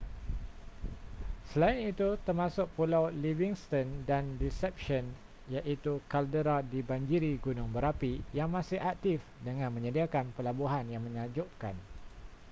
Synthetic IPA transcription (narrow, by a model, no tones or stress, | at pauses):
səlaɪnit̪ut̪ərmãsʊk̚pulawliviŋst̪əndandisɛp̚ʃɔn | jaʔit̪ukaldəɾadibaɲd͡ʒiɾiɡunʊ̃ŋbəɾapijaŋmãsɪhak̚t̪ifdəŋãnmə̃ɲədiakanpəlabuɦanjaŋmə̃ɲad͡ʒʊʔkan